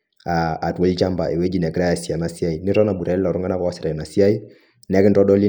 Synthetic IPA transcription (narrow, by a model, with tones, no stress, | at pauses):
aː˨twe˦lt͡ʃa˦mba̰˨e˨we˦d͡ʒi˦n˨ɛ˨kɾa˦a˨si˨a˨na˨sa˦i˨nɪ˦ɾɔ˦na˨ɓu˨ɾa˨˦la˨ɾu˦ŋɡa˦na˦ka˦wa˦si˨ɾa˨i˨na˨si˦a˦i˦ | n˦a˦kɪ˦ndɔ˦ɗɔ˦li˦